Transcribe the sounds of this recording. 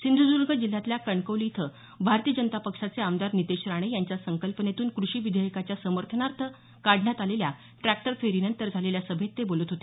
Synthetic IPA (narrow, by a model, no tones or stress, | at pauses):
sind̪ʱɾəd͡zuɾɡəd͡ʑil̤ːat̪ljakəɳkəwlit̪ʰə | bʱaɾt̪iəd͡ʑənət̪apəkʂat͡seamd̪aɾnit̪eɕɾaɽ̃ejaɲt͡ɕjasəŋkəlpənet̪uːnkɾuɕiːʋid̪ʱəjəkat͡ɕjasəməɾt̪ʰənaɾt̪ʰə | kaɽʱɳjat̪alelja | ʈɾæk̚ʈəɾfʰeɾinənt̪əɾd͡zʱaleljasəbʱet̪ːebolət̪ɦot̪e